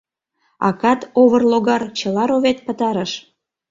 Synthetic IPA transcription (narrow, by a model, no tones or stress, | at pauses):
ɑ̰kɑt̪oβərloɣɑrt͡ɕəlɑɾoβet̪̚pət̪ɑɾəʃ